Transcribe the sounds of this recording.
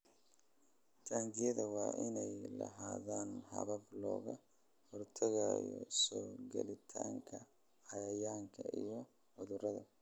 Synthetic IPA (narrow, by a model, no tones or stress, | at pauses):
t͡ʃʰaːŋɡɪjɐðɐwɑːʔɪnɛjlɐ̰ɦaːðaːnhɐ̰βɐblɔːɣɐ | hɔrt̪ʰɐɣajɔsɔːɡɛlɪt̪ʰaːŋkʰɐ | ʕɑjɐjaːŋkʰɐʔijɔ | ʊðʊrɐðɐ